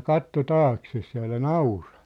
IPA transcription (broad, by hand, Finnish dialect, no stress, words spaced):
kɑtːo tɑːkses jɑ ælæ nɑurɑ̥